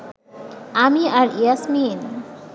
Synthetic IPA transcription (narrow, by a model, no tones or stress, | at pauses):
amiaɾiasmin